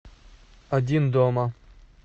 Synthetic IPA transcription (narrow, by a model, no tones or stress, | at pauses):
ɐdʲind̪ɔmɐ